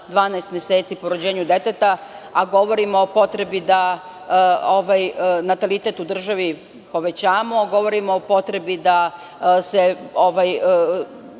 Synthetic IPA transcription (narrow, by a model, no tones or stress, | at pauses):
d̪ʋaːnaest̪mjeseːt̪siːpouɾod͡ʑeːɲud̪e̞t̪et̪aaɡo̞ʋo̞ɾimoːpo̞t̪ɾe̞bid̪a | oʋajnat̪alit̪et̪ud̪r̩ʒaʋi | po̞ʋe̞t͡ɕaːmoaɡo̞ʋo̞ɾimoːpo̞t̪ɾe̞bid̪a | seoʋaj